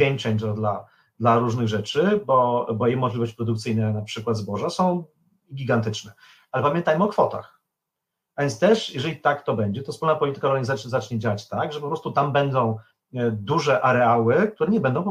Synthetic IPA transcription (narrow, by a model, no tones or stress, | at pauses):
ɛŋkt͡ʂɛɲad̪la | d̪laɾuʐnɘɣʐɛt͡ʂɘbɔbɔjɛmɔʐlʲivɔɕt͡ɕpɾɔd̪ukt̪sɘjnɛnapʂɘkwad̪zbɔʐasɔ̃w̃ | iɡʲiɡant̪ɘt͡ʂnɛ | alɛpamʲjɛnt̪ajmɘɔkfɔt̪a̰x | avʲjɛnt̪ɛʂjɛʐɛlʲit̪akt̪ɔbɛɲd͡ʑɛt̪ɔfspulnapɔlʲit̪ɘkaɔɾɡɲizat͡ʂzat͡ʂɲɛd͡ʑawat͡ɕt̪aɡʐɛpɔpɾɔst̪ut̪ambɛnd̪ɔ̃w̃ | d̪uʐɛʔaɾɛawɘk̚t̪uɾɛɲɛbɛnd̪ɔ̃w̃p